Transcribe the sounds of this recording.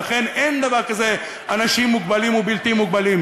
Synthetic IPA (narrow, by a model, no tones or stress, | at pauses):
aχe̞nʔe̞nd̪avaʁkaze | anaʃimːuɡbalimubilt̪imːuɡ̚balim